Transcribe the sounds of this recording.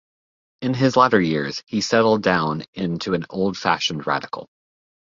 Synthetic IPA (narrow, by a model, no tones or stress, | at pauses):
ɨ̃nɪzlæɾə˞jɪɹz̥hisɛɾl̩ˠdãʊ̃nɪ̃ntʰʉɨ̃noʊlˠd̥fæ̰ʃn̩ɹæ̰ɾɨkl̩ˠ